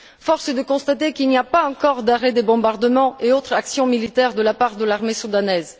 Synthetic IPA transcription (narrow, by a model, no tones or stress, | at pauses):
fɔʁsəd̪əkɔ̃st̪at̪ekilniapaɑ̃kɔʁd̪aʁɛd̪ebɔ̃baʁd̪əmɑ̃eot̪χaksjɔ̃milit̪ɛʁd̪əlapaʁd̪əlaʁmesud̪anɛz